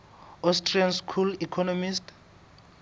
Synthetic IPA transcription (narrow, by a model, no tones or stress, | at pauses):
ɔstʰʼrianskʰulikʰɔnɔmist